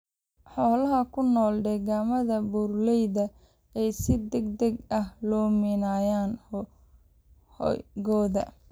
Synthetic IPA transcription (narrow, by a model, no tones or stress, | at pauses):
ħɔːlɐɦɐkʰʊnɔːlɖɛːɣaːmɐðɐbuːrlɛjðɐ | ɛjsɪd̪ɐɡ̚d̪ɐɡɐhlɔːmɪnaːjaːn | hjɡɔːðɐ̰